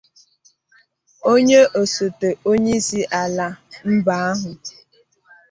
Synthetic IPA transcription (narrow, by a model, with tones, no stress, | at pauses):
o˦ɲe˦ʔo˨so˨te˨o˦ɲe˦si˦ʔa˨la˨m̩˦ba˦a˦ɦʊ˨